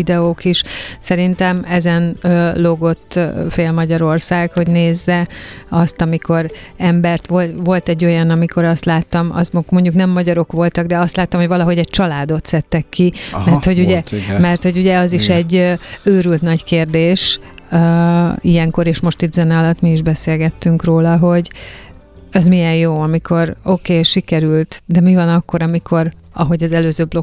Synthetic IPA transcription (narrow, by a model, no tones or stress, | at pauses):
id̪ɛoːkiʃsɛɾint̪ɛmɛzɛnøːloɡo̞t̪ːfeːlmɒɟɒɾo̞rsaːɡho̞ɟneːzːɛɒst̪ɒmiko̞ɾɛmbɛrt̪ʋo̞lʋo̞lt̪ɛɟːo̞jɒnɒmiko̞ɾɒst̪laːt̪ːɒmɒ̰zmmo̞ɲɟuknɛmːɒɟɒɾo̞kʋo̞lt̪ɒɡ̚d̪ɛɒst̪laːt̪ːɒmhoɟvɒlɒɦo̞ɟɛc̚t͡ʃɒlaːd̪o̞t̪sɛt̪ːɛkːimɛrt̪ho̞ɟuɟɛmɛrt̪ho̞ɟuɟɛɒziʃɛɟːøøːɾylt̪nɒɟkeːrd̪eːʃøijɛŋko̞ɾeːʃmo̞ʃt̪it̪zɛnɛɒlɒt̪miiʒbɛseːlɡɛt̪ːyŋkroːlɒɦo̞ɟ | ɛzmijɛjjoːɒmikʰo̞ro̞keːʃikɛɾylt̪d̪ɛmivɒnɒkːo̞ɾɒmikʰo̞ɾ | ɒɦo̞ɟɒzɛløːzøːblo̞